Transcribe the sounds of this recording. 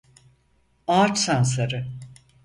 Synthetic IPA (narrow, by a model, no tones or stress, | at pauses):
aːt͡ʃsansaɾɯ